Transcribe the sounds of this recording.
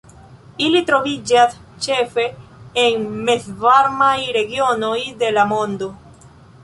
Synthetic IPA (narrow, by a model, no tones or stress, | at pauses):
ilit̪ɾoβid͡ʒatt͡ʃefeːŋmesβaɾmaiɾeɣjonojðelamõnd̪o